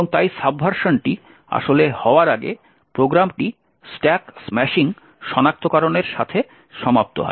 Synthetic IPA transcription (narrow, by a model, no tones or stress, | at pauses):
oŋt̪ajsabʱːaɾʃonʈi | a̰ʃolehɔoaɾaɡḛ | pɾoɡɾamʈi | sʈɛksmɛʃiŋ | ʃɔnak̚t̪okaɾoneɾʃat̪ʰe | ʃɔmap̚t̪o̰ɦɔ̰